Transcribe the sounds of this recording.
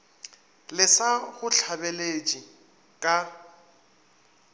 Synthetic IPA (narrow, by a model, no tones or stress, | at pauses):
lɪsaɣʊɬʰabelet͡ʃʼi | kʼa